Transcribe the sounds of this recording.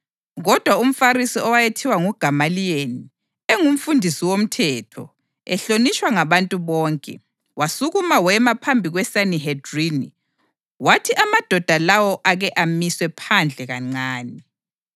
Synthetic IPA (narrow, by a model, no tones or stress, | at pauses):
ɣɔd̥ʱwaum̩faɾisiɔwajetʰiwaŋuɡ̥ʱamalijeni | eŋum̩fundʱisiwom̩tʰɛtʰɔ̰ | ɛɬonit͡ʃʼwaŋaβantʼuβɔːŋkʼɛ̰ | wasuɣumawɛmapʰambʱiɣwɛsaniɦedrini | watʰiʔamad̥ʱɔd̥ʱalawɔʔaɣɛʔamiswɛpʰand͡ɮʱɛɣaŋ͡ǀaːni